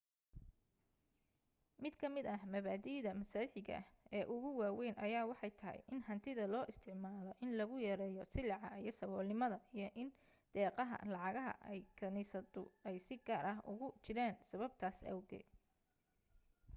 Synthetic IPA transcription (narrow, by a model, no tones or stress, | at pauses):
mɪd̪kʰɐmɪd̪ɐɦmɐβaːd̪iːðɐmɐsaːɪħɪɣɐ̰hɛːʔʊɣʊwaːwɛjnʔɐjaːwɑħɑjt̪ʰɐɦɛ̰jʔɪnhɐnt̪ʰɪðɐlɔːʔɪst̪ʰɪʕmaːlɔʔɪnlɐɣʊjɐɾɛːjɔsɪlɑʕɑijɔsɐβɔːlnɪmɐðɐʔijɞʔɪn | d̪̥ɛːqɑɦɐ̰lɑʕɑɣɐɦɐ̰ʔɛjkʰɐnisɐd̪ʊ̰ɛjsɪɡaːɾʔɐɦʊɣʊt͡ʃɪɾaːnsɐβɐb̚t̪ʰaːsɐ̰wɣɛ̰ːd̪